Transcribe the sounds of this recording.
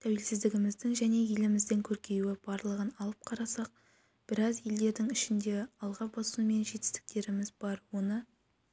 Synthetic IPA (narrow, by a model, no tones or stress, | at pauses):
t̪ʰæwe̞lsɪzd̪ɪɡʲɪmɪzd̪ɪŋʒæne̞je̞lɪmɪzd̪eŋkʲʰɵɾkʲe̞juɪb̥ɑɾlˠəʁənɑlˠəp̚qʰɑɾɑsɑq̚ | b̥ɪɾɑzje̞ld̪e̞ɾd̪ɪŋɪʃɪnd̪e̞ɑlˠʁɑbɑsume̞nʒe̞t̪ɪ̥st̪ɪ̥k̚t̪e̞ɾɪmɪzbɑɾwo̞nə